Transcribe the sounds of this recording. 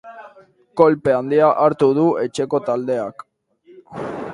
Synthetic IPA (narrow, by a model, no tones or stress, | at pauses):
ko̞lpe̞and̪iaʔaɾt̪uð̞ue̞t͡ʃe̞ko̞t̪ald̪e̞ak